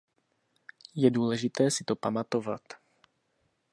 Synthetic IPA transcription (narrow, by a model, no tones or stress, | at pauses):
jɛduːlɛʒɪt̪ɛːsɪ̥t̪opamat̪o̞va̰t̪